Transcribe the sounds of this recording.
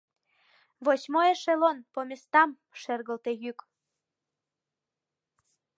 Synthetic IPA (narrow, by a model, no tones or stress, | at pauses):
βoɕmoeʃelonpomʲest̪ɑm | ʃerɣəlt̪ejyk